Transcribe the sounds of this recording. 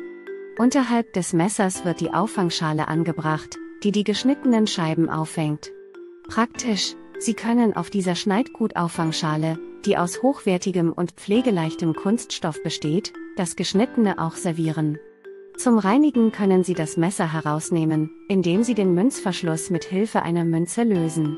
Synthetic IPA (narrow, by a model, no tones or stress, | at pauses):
ʔʊntɐɦalp̚d̥ɛsmɛsɐsv̥ɪɐt̚d̥iːʔa̰ʊfaŋʃaːləʔa̰nɡəbʁaχtd̥iːdiːɡəʃnɪtənənʃaɪbm̩ʔa̰ʊfhɛŋt | pʁ̥aktʰɪʃ | z̥iːkʰœnənʔa̰ʊfd̥iːzɐʃnaɪtɡ̥uːtʔa̰ʊfaŋʃaːləd̥iːʔa̰ʊshoːxv̥ɛɐtɪɡəmʔʊ̰ntp͡fleːɡəlaɪçtəmkʰʊnstʃtɔfb̥əʃteːtd̥asɡ̥əʃnɪtənəʔa̰ʊxz̥ɛɐviːʁən | t͡sʊmʁaɪnɪɡŋ̩kʰœnənziːdasmɛsɐɦɛʁaʊsneːmənʔɪndeːmziːdeːnmʏnt͡sfɛɐʃlʊsmɪthɪlfəʔa̰ɪnɐmʏnt͡səløːzn̩